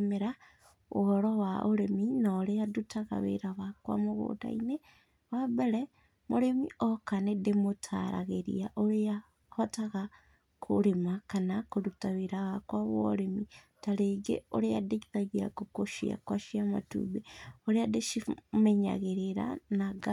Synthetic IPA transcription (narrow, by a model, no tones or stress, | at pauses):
meɾa | uhoɾowaʔoɾeminoɾejadutaɣa̰βḛɾaβakwa̰moɣṵda̰ine | wabeɾe | moɾemiʔokanedemotʰa̰ɾa̰ɣeɾḭaʔoɾeja | hotaɣa | kʰṵɾemakanakodutaβeɾaɣakwaβoɾemi | taleɡḛoɾejadekiɾaɣiɾa̰kukoʃia̰kwaʃiama̰tṵβeoɾejadeʃimeɲa̰ɣeɾeɾa̰naɡa